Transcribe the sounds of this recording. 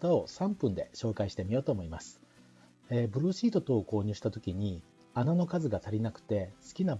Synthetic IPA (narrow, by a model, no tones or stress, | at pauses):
t̪ao̞sãmpɯ̟̃nd̪e̞ɕo̞ːkaiɕi̥t̪e̞mʲijo̞ːt̪o̞ːmo̞imasɨ̥ | ebɯ̟ɾɯ̟ːɕiːt̪o̞t̪o̞ːko̞ːɲ̟ɨːɕi̥t̪at̪o̞kʲiɲ̟i | anano̞kazɨɡat̪aɾʲinakɯ̥t̪e̞sɨ̥kʲina